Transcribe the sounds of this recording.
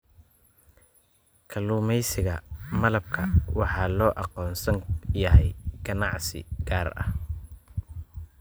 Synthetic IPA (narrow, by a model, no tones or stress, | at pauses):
kʰɐluːmɛjsɪɣɐmɐlɐb̚kʰɐwɑħɑːlɔːʔɑqɔːnsɐŋjɐɦɛjɡ̥ɐnɑʕsɪ̰ɡaːrɐ̰h